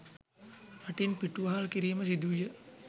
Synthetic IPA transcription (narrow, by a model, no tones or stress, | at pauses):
ɾaʈinpiʈuʋaɦalkiɾiːməs̬id̪ujə